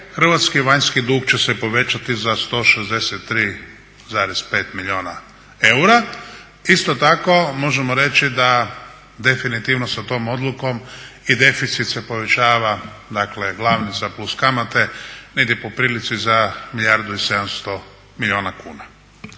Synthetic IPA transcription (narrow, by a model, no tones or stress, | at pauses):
xr̩ʋat̪skiʋaɲskid̪uːɡt͡ʃe̞sepo̞ʋe̞t͡ʃat̪izast̪o̞ːʃezd̪e̞set̪ːɾiː | zaːɾespe̞ːt̪miʎioːna | e̞uɾa | ist̪o̞t̪ako̞mo̞ʒemoɾe̞t͡ʃid̪a | d̪e̞finit̪iʋnosat̪o̞ːmo̞d̪lˠuko̞mid̪e̞fit̪sit̪sepo̞ʋe̞t͡ʃaːʋa | d̪akle̞ɡlˠaʋnit̪saplˠuskamat̪e̞neɡd̪ʲipopɾiːlit̪sizamiʎʲjaɾd̪uise̞d̪amst̪o̞ | milʎʲioːnakuːna